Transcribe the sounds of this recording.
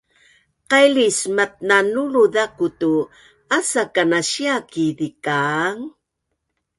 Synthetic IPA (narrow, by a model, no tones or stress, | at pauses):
qajlismat̪̚nanuluðakutu | asakanaɕiakiðikaŋ